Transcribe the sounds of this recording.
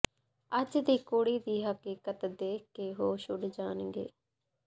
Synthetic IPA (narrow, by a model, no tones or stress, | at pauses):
əd͡ʒd̪iːkoːɽiːd̪iːɦəkiːkət̪d̪eːeːɦoːʃʊɖd͡ʒaːnɡḛː